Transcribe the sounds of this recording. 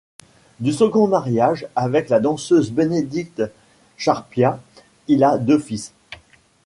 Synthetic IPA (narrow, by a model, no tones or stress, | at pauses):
d̪ysəɡɔ̃maʁjaʒavɛklad̪ɑ̃søzbened̪ik̚t̪ | ʃaʁpja | ilad̪øfis